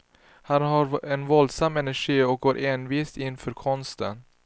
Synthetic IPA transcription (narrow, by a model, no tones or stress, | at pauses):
hanɦaɾɛnvɔld̪samːɛnæʂiːɔk̚ɡoːɾʔeːnviːst̪ɪnfœːɾkʰɔnst̪ən